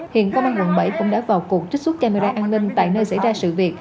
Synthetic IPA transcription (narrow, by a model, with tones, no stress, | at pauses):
hḭ˧˨ənkə˧wŋ͡mʔaː˧nwə˨˩nɓə̰˧˩jkʊ̰˧˥ŋ͡mɗa̰ː˧˥vaː˨˩wku˨˩ək̚t͡ɕi̟˦˥swə˦˥t̚ka˧me˧ɾaː˧ʔaː˧nnï˧ŋ̟t̪a̰ː˧˨jnəː˧jsa̰˧˥jzaː˧sɨ̰˧˨vi˨˩ət̚